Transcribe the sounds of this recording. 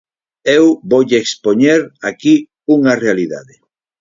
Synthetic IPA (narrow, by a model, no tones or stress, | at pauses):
ewbojʎeekspoɲeɾaki | uŋarealiða̰ðe